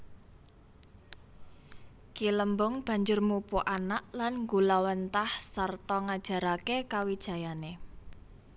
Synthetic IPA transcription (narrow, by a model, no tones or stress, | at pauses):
kiləmbʊŋb̥a̤ɲd͡ʒʊrmupuʔanaʔlanŋɡulawənt̪ahsart̪ɔŋad̥ʒ̥a̤ɾakekawid̥ʒ̥ä̤jane